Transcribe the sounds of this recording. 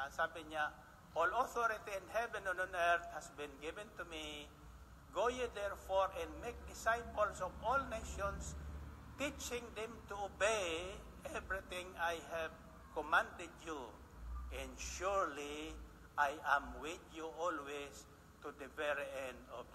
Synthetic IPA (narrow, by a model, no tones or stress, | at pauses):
sabĩŋɲa | ʔɔloθoɾit̪iɪ̃nhɛvɛ̃nɔ̃nɔ̃nɛɾt̪̚hasbĩnɡɪvɛ̃nt̪umi | ɡojud̪ɛɹfoɹɛ̃nmek̚d̪ɪsajpolsɔvɔlneʃɔ̃ns | t̪it͡ʃɪ̃ŋd̪ɛ̃mt̪uobej | ɛvɹit̪ĩŋajhɛv | kɔmãnd̪ɛdju | ɛ̃nʃuɹli | ajãmwɪt̪juɔlwes | t̪ud̪ɛvɛɹiɛ̃nd̪ɔv